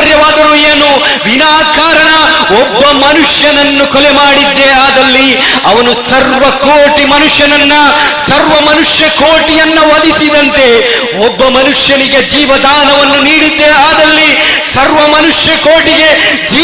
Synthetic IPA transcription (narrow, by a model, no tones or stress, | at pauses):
ɾjɐʋaːd̪ɐɾueːnu | ʋinaːkaːɾɐɳɐ | ɔbːɐmɐnuʂjɐnɐnːukɔlɛmaːɽid̪ːeaːd̪ɐlːi | ɐʋɐnusɐɾʋɐkoːʈimɐnuʂjɐnɐnːɐ | sɐɾʋɐmɐnuʂjɐkoːʈijɐnːɐʋɐd̪isid̪ɐnt̪e̞ | ɔbːɐmɐnuʂjɐniɡe̞d͡ʒiːʋɐd̪ʱaːnɐʋɐnːuniːɽid̪ːeaːd̪ɐlːi | sɐɾʋɐmɐnuʂjɐkoːʈiɡe̞d͡ʒiː